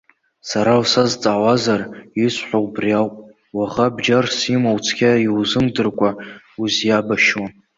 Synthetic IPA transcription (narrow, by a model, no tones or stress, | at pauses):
saɾawsazt͡sʼaːwazarisʷħʷawbriawpʼ | waʁabd͡ʒarsimawt͡sʰkʲaiwzɨmdɨrkʷʼa | uzjabaʃwan